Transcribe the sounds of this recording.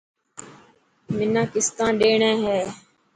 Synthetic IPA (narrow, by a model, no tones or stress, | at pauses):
mɪnãːkɪst̪ãːɗeːɳẽːɦɛː